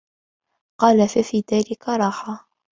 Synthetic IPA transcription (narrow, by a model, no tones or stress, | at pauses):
qɑːlafæfiːðæːlɪkaɾˤɑːħa